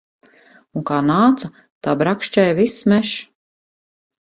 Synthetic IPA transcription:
uŋkaːnaːt̪sa | t̪aːbɾakʃt͡ʃɛjvismʲɛʃ

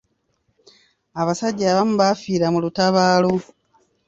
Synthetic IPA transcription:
aβasaɟaaβamuβafiːɾamulutaβaːlo

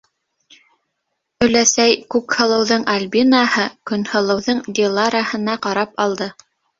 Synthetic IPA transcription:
ɵ̆læsæjkʉkhɤ̆lˠɤ̆wðɤɴalʲbʲinahɤkɵ̆nhɤ̆lˠɤ̆wðɤɴd̪ʲilˠaɾahɤ̆nɑqɑɾɑpɑlˠd̪ɤ

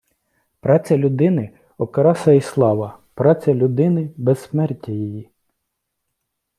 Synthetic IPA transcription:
pɾɑt͡sʲɐlʲʊd̪ɪnɪ | ɔkɐɾɑsɐislˠɑʋɐ | pɾɑt͡sʲɐlʲʊd̪ɪnɪbɛsːmɛrtʲːijiji

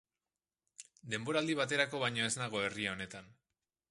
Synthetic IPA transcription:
d̪e̞mbo̞ɾald̪iβ̞at̪e̞ɾako̞βajɲo̞e̞znaɣ̞o̞e̞riao̞ne̞t̪an

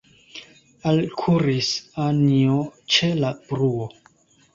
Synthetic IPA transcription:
alkʰuɾisaniot͡ʃelab̥ɾuo

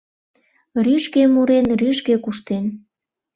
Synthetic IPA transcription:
ryʃkemuɾenryʃkekuʃt̪en

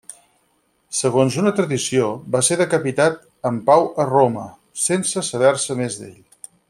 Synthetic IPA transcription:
səɣ̞onzunət̪ɾəðisiobaseðəkəpit̪at̪̚ | əmpawəromə | sensəsəβɛɾsəmezd̪ḛʎ

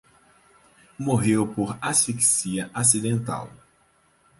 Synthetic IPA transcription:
moɦewpoɾasfiksiɐʔas̬id̪ẽnt̪a̰w

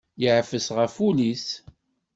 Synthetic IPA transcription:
jəʕfəsʁəfulis

